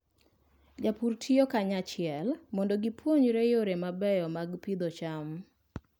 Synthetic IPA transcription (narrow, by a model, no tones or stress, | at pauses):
d͡ʒapurtʰijokaɲat͡ʃɪɛlmɔndɔɡipʰwoɲɾejoɾemabɛjɔmaɡpid̪ɔt͡ʃam